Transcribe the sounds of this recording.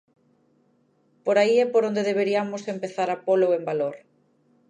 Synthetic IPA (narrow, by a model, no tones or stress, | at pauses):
poɾaiɛpoɾond̪eðeβ̞eɾiamosempeθaɾapoloembaloɾ